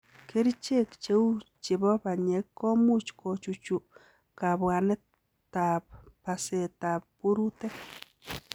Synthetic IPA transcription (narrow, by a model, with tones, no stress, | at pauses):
ke˦ɾt͡ʃe˦˨kt͡ʃe˦w | t͡ʃe˨bɔ˦ba˨ɲe˨˦kːo˦mu˦t͡ʃko˨t͡ʃu˨t͡ʃu˨ | ka˨bwa˨ne˦ | t̪a˨ppa˨se˨t̪a˨p̚pu˦ɾu˦t̪e˦k